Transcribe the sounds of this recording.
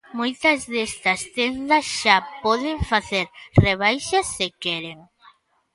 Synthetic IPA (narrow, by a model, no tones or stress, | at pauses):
mojt̪ɐzðest̪ɐst̪end̪ɐsʃapɔðeɱfaθeɾreβ̞ajʃɐsːekeɾeŋ